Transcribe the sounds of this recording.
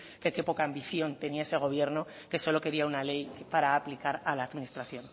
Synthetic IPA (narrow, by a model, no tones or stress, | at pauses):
keke̞po̞kaːmbiθjo̞nt̪e̞niae̞se̞ɣ̞o̞β̞je̞ɾno | ke̞so̞lo̞ke̞ɾiaunale̞jkpaɾaːplikaɾalaːðminist̪ɾaθjo̞n